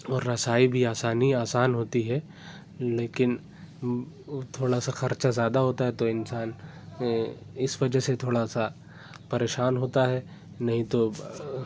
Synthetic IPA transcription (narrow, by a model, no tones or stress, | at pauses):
ɔːɾːɐsaːibʱiaːsaːniaːsaːnɦoːt̪iɦɛ | leːkɪn | t̪ʰoːɽasaxɐɾt͡ʃazjaːd̪aɦoːt̪aɦɛt̪oɪnsaːn | ɪsʋɐd͡ʒəɦset̪ʰoːɽasa | pɐɾeːʃaːnɦoːt̪aɦɛ | nɐɦĩt̪o